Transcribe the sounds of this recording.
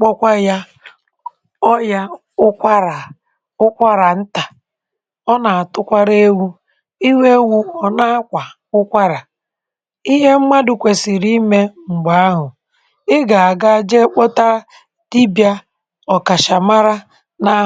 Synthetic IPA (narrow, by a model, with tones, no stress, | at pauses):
k͡pɔ˦kʷa˦ja˦ | ɔ˦ja˦ | ʊ˦kʷa˦ɾa˨ | ʊ˦kʷa˦ɾa˨n̩˦ta˨ | ɔ˦na˨a˨tʊ˦kʷa˦ɾe˦wu˦ | i˦we˦wu˦ɔ˨na˦kʷa˨ | ʊ˦kʷa˦ɾa˨ | i˦ɦe˦m̩˦ma˦dʊ˨kʷe˨si˨ɾi˦me˦ŋ͡m̩˨ɡ͡ba˨a˦ɦʊ˨ | ɪ˦ɡa˨a˨ɡa˦d͡ʒe˦k͡pɔ˦ta˦ | ti˦bja˦ | ɔ˨ka˨ʃa˨ma˦ɾa˦ | na˦